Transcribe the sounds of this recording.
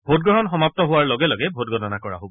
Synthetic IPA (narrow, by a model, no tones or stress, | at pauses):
bʱot̚ɡɹɔɦɔnxɔmap̚tɔɦʊwaɹlɔɡɛlɔɡɛbʱotɡʱɔtɔnakɔɹa̰ɦobɔ